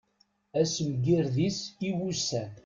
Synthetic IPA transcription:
æsəmɡiɾðisiwusæ

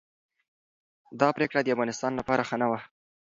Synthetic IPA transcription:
d̪ɑpɾekɽad̪əafɣɑnɪst̪ɑnlapɑɾaxənawa

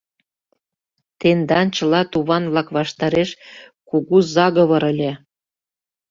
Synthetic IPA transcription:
t̪end̪ɑnt͡ɕə̆lɑt̪uβɑnβlɑkβɑʃt̪ɑɾeʃkuɣuzɑɣɤ̆βɤ̆ɾə̆lʲe

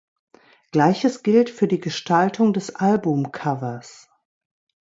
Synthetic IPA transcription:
ɡ̥laɪçəsɡ̥ɪltfyːɐdiːɡəʃtʰaltʰʊŋdɛsʔalbʊmkʰavɐs

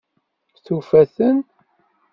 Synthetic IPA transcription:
θufæθən

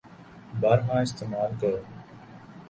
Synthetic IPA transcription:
baːɾɦãːɪst̪eːmaːlkəɾoː

